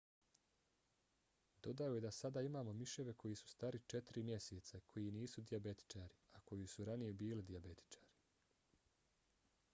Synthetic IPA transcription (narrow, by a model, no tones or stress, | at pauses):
d̪o̞d̪aoje̞d̪asad̪aːimaːmo̞miʃeʋe̞ko̞jisu̥st̪aːɾit͡ʃe̞t̪iɾimje̞seːt̪sakʰo̞jiniːsud̪iabe̞t̪i̥t͡ʃaːɾiako̞jisuɾanije̞biːlid̪iabe̞t̪i̥t͡ʃḁːɾi̥